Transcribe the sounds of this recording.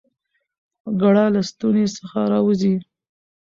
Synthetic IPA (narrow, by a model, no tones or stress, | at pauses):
ɡaɽɑlast̪unesəxaɾɑwəzi